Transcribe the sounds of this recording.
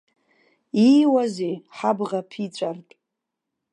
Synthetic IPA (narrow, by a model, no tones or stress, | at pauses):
iwazejħabʁapʰit͡sʷʼartʼ